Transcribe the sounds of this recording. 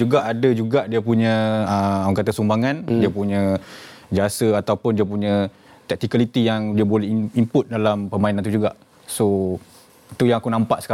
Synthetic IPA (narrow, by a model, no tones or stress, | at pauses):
d͡ʒuɡaʔadad͡ʒuɡaʔdiəpuɲə̃əauŋkat̪asumbaŋandiapuɲə̃ | d͡ʒasəat̪awpʊndiəpuɲə̃ | t̪ɛk̚t̪ikalit̪ijaŋdiabolɛhimpʊt̪̚dalampəmainãnt̪ud͡ʒuɡaʔ | so | t̪ujaŋakunãmpaʔsə̥ka